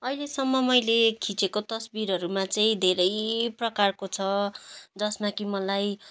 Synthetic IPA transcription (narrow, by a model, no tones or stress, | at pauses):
ʌjlesʌmːʌmʌjlekʰĩt͡sekot̪ʌsbiɾɦʌɾumat͡sʌĩd̪ʱeɾʌjprʌkarkot͡sʰʌd͡zʌsmakimʌlaj